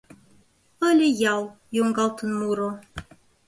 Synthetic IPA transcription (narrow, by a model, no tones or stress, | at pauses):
əlʲejaw | joŋɡɑlˠt̪ʰənːuɾo